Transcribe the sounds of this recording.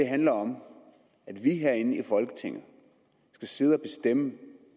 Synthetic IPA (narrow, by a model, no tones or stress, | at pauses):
d̥e̝ɦænlɐɒ̽m | æd̥ʋiɦeɐ̰e̝n̩ifɒ̽lɡ̥ə̥t͡sʰe̝ŋ̰ð̞̩ˠ | sɡ̥æse̝ð̞̩ˠɒb̥e̝sd̥emə